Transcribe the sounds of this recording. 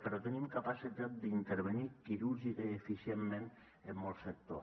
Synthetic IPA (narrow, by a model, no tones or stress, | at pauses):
peɾɔt̪ənimkapasit̪at̪̚d̪int̪eɾβ̞enikiɾuɾʒikəefisjemːẽn | emːɔlˠsek̚t̪o